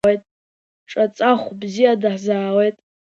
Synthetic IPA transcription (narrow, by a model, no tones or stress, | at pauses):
ejtʼ | ʈ͡ʂʼat͡sʼaχʷbzijadɨħzaːlejtʼ